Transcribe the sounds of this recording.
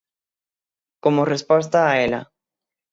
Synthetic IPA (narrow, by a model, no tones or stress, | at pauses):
komorespos̬t̪aːela̰